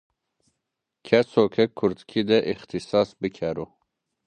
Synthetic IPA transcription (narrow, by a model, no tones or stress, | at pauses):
kʰɛsokʰɛkʰːuɾt̪kʰid̪ɛʔixt̪ʰisɑːsbɨkʰɛɾu